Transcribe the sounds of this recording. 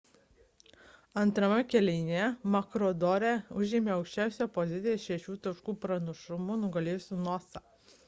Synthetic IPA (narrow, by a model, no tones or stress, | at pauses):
ɐnt̪ɾɐmʲɛkʲɛlʲɛɪnʲemɐkɾɔd̪ɔːɾʲɛʊʒʲɪmʲeːɒʊkʃʲt͡ʃʲæˑʊsʲɛpɔzʲɪt̪ʲɪjɛʃʲɛʃʲuːt̪ɐʃkuːpɾɐnɐʃʊmʊnʊɡɐlʲeːjsʲuːnɔːsɑ